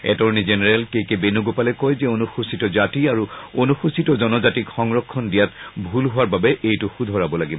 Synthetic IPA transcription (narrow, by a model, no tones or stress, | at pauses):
ɛ̰tɔɹnizenɛɹɛlkejkebenuɡopalɛkɔjzɛonuxusitɔzatiaɹuonuxusitɔzɔnɔzatikxɔŋɹɔkʰːɔndijatbʱulɦʊwaɹbabɛʔejtʊxud̪ʱɔɹabɔlaɡibɔ